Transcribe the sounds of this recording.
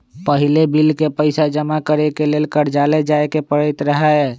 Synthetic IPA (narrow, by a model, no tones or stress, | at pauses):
pəɦilebilkepəɪsad͡ʒəmakəɾekelelkəɾ̤d͡ʒaled͡ʒaekepəɾəɪt̪ɾəɦɛɛ